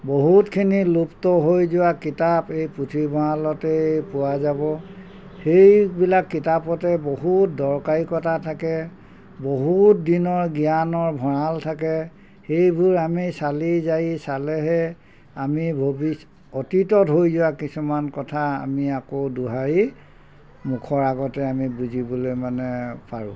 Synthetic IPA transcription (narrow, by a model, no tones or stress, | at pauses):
boɦutkʰiniluptɔɦojzʊwakitapejputʰibʱɔɹalɔtɛpʊwazabɔ | xejbilakːitapɔtɛboɦut̚dɔɹkaɹikɔtatʰakɛ | boɦut̚dinɔɹɡijanɔɹbʱɔɹaltʰakɛ | xejbʱuɹamisalizajisalɛɦɛ | amibʱobis | ɔtitɔtɦojzʊwakisumankɔtʰaa̰miakoduɦaɹi | mukʰɔɹaɡɔtɛamibuzibɔlojmanɛpaɹṵ̃